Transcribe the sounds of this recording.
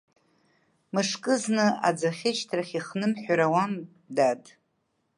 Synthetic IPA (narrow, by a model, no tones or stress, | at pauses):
mɨʂkʼɨznɨa̰d͡zaχʲɪʃtʰraχʲiχnɨmħʷᶣaɾawam | dadʼ